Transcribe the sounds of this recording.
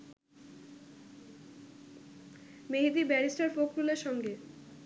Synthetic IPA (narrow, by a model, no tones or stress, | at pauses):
meɦid̪ibɛnisʈaɾfokɾuleɾʃɔŋɡe